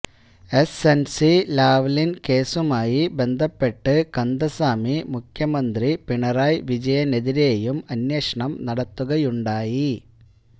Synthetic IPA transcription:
e̞sensilaːʋlinke̞ːsumaːjibe̞nd̪ʱɐpːe̞ʈːɨkɐnd̪ʱɐsaːmimukʰjɐmɐnd̪ripiɳɐraːjʋid͡ʑɐjɐneðiɾejumɐnjɐːʂɐɳɐmnɐɽɐt̪ːuɣɐjuɳɖaːji

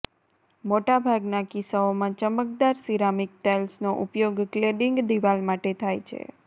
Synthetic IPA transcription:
moʈabʱaɡnakisaomãt͡ʃəmək̚d̪aɾsiɾamik̚ʈelsnoʔupjoɡkleɖiŋɡd̪iʋalmaʈet̪ʰajt͡ʃʰḛ

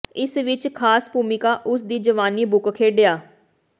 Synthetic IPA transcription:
ɪsʋɪt͡ʃkʰaːspuːmɪkaːʔʊsd̪iːd͡ʒəʋaːniːbʊkkʰeːɖejaː

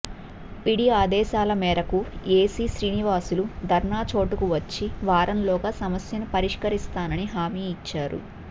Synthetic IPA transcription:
piɽiaːd̪ɛːʃaːlɐmɛːɾɐkueːsiːʃɾiːniʋaːsulud̪ʱɐɾnaːt͡ʃo̞ːʈukuʋɐt͡ʃːiʋaːɾɐnlɔːɡaːsɐmɐsjɐnupɐɾiʂkɐɾist̪aːnɐniɦaːmiːt͡ʃːaːɾṵ

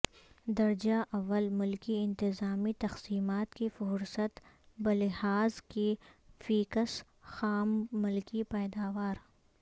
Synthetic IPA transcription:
d̪ɐɾd͡ʒaʔɐʋːəlmʊlkiɪ̃nt̪ɪzaːmit̪ɐxsiːmaːt̪kifʊɾsət̪ | bɐlɪhaːzkifiːkəs | xaːmːʊlkipɛːd̪aːʋaːɾ

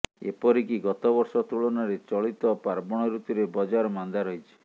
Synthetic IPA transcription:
ḛpɔɾikiɡɔt̪ɔbɔɾsɔt̪uɭɔnaɾet͡ʃɔɭit̪ɔpaɾbɔɽ̃ɔɾut̪iɾebɔd͡ʒaɾɔmand̪aɾɔɦit͡ʃʰi̥

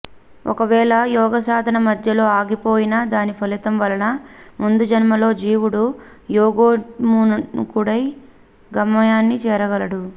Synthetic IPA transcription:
ɔ̰kɐʋɛːɭɐjɔːɡɐsaːd̪ʱɐnɐmɐd̪ʱjɐlo̞ːaːɡipoːjinɐd̪aːnipʰɐlit̪ɐmʋɐlɐnɐmund̪ud͡ʒɐnmɐlo̞ːd͡ʒiːwuɽu | jɔːɡoːmunukuɽɐj | ɡɐmːɐjaːnːit͡ʃɛːɾɐɡɐlɐɽu

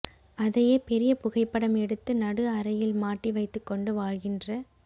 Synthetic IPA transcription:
ɐðɐjeːpɛɾɪjɐpʊɣɐɪpːɐɽɐmɛɽɯt̪ːɯnɐɽɯɐɾɐjɪlmaːʈːiʋɐɪt̪ːɯkːɔɳɖɯʋaːɻɣɪndrɐ

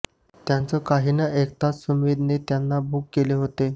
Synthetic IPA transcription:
t̪jant͡səkaɦiːnəʔekt̪asumʋid̪ʱnet̪janːabukːeleɦot̪e

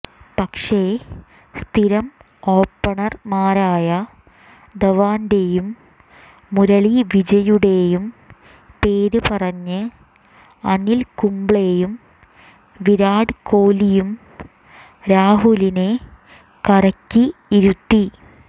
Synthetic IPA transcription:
pɐkʂe | st̪ʰiɾɐm | o̞ːpːɐɳɐrmaːɾaːjɐ | d̪ɐʋaːnde̞jumː | uɾɐɭiʋid͡ʑɐjuɽe̞jum | pe̞ːɾɨpɐrɐɲːɨ | ɐnilkumbɭe̞jum | ʋiɾaːɽɨkoːlijum | ɾaːɦuline̞ | kɐɾɐkʲːiiɾut̪ːi

